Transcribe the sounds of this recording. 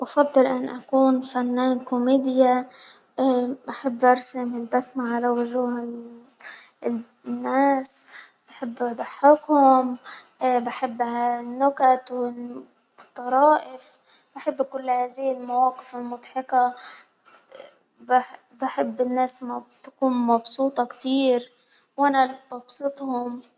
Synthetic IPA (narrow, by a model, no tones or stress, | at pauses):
ʔɑfɑd̪ˤːɨlʔanːʔakuːnfanːaːnkʊmeːd̪ɪja | baħɪbːʔɑɾsamɪlbasmaʕalawʊʒuːhɪl | nːaːs | baħɪbːʔɑd̪ˤɑħːɪkhʊmʔbaħɪbːʕalanːʊkat̪wɪ | t̪ˤːɑɾˤɑːʔɪf | baħɪbːakʊlːhaːzɪjɪlmawɑːqɪfɪlmʊd̪ˤħɪka | bħ | baħɪbːɪnːaːsmat̪ḁkuːnmɑbsuːt̪ˤɑkt̪iːɾ | wʔanabɑbsˤɨt̪ˤhʊm